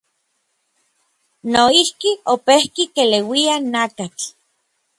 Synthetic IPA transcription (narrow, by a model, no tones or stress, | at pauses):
noihkiopehkikelewianakat͡ɬ